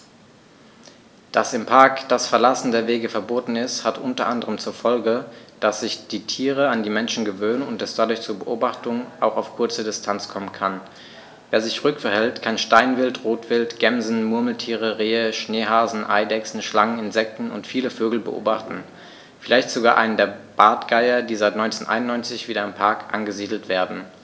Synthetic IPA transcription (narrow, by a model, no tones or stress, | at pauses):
d̥asɪmpʰaɐkd̥asfɛɐlasn̩deːɐveːɡəfɛɐboːtn̩ɪsthatʔʊntɐʔandəʁəmt͡suːɐfɔlɡəd̥asz̥ɪçd̥iːtʰiːʁəandiːmɛnʃn̩ɡəvøːnənʊntɛsd̥adʊɐçt͡suːɐbəʔoːbaχtʊŋʔaʊxaʊfkʰʊɐt͡sədɪstʰant͡skʰɔmənkʰan | veːɐzɪçʁʏkfɛɐhɛltkʰanʃtaɪnvɪltʁoːtv̥ɪltɡ̥ɛmzn̩mʊɐml̩tʰiːʁəʁeːəʃneːɦaːzn̩ʔa̰ɪdɛksn̩ʃlaŋənɪnzɛk̚tn̩ʊ̰ntfiːləføːɡl̩bəʔo̰ːbaχtn̩ | fɪlaɪçtz̥oɡaːʔa̰ɪnəndeːɐb̥aːtɡ̥aɪɐdiːzaɪtnɔʏnt͡seːnʔa̰ɪnʊnːɔʏnt͡sɪçv̥iːdɾɐampʰaɐkʔa̰nɡəziːdl̩tv̥eːɐdn̩